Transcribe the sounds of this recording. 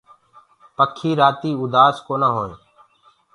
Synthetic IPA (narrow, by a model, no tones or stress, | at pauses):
pəkʰːiːɾaːt̪iːʊd̪aːskoːnaːɦoːẽː